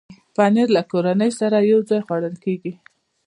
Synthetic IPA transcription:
pɑneɾlakoɾanəjsaɾajawd͡zɑjxwaɽəlkeɡi

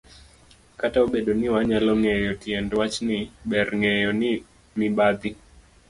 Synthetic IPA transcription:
kataoɓeɗonɪwaɲalɔŋɛjɔtiɛndwat͡ʃnɪɓɛrŋɛjɔnɪ | mɪɓad̪i

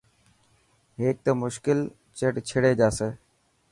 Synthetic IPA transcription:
ɦeːk̚t̪əmʊʃkɪl | t͡ɕəʈt͡ɕʰɪɽeːd͡ʒaːseː

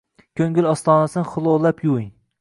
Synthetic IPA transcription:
kʲʰɵŋɡʲɪlʲɒst̪ɒːnasɨnχʊlˠolːˠapʰjuiŋ

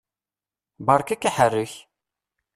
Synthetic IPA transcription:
bɑɾˤkækːiħərːəç

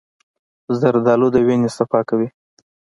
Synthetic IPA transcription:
zaɾd̪ɑlod̪əwenesafɑkawi

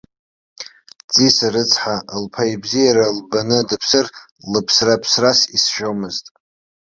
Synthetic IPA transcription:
t͡sʼisaɾɨt͡sʰħaʔlpʰaibzijaɾalbanɨdɨpʰsɨr | lɨpʰsrapʰsrasisʒᶣomɨztʼ

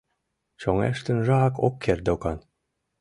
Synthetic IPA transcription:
t͡ɕoŋæ̰ʃt̪ə̆nʒɑɑkokʰːerd̪okɑn

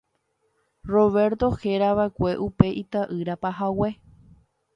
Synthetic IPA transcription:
ro̞βe̞ɾt̪o̞heɾaβaekʷe̞ʔupe̞ʔit̪aʔɨɾapaɦawe̞

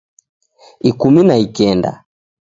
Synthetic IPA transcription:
ikuminaikɛnda̰

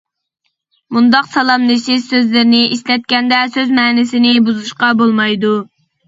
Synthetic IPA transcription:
mund̪ɑqsɑlˠɑmnɪʃɪzsøzlɪɾɪnɪʔiʃlɛt̪̚kʲɛnd̪ɛsøzmɛːnɪsɪnɪbuzuʃqɑbolˠmɑjd̪u

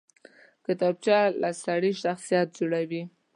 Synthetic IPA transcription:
kət̪ab̚t͡ʃɑlasaɽiʃaxsijɑt̪̚d͡ʒuɽawi

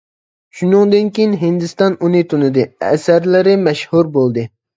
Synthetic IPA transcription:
ʃunɨŋd̪ɨnkʲijinɦind̪ɨst̪ɑnunɨt̪ʰunɨd̪ɨɛ̰sæɾlɪɾɪmɛʃhuɾbolˠd̪ɨ

